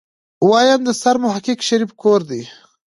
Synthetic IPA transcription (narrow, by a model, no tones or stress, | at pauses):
wɑjand̪əsaɾmʊɦakikʃaɾifkoɾd̪i